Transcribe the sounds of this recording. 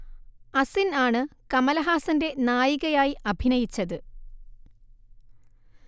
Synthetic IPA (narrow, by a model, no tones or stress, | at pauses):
ɐsinaːɳɨkɐmɐlɐɦaːsɐnde̞naːjiɣɐjaːjiʔɐbʱinɐjit͡ɕːɐðɨ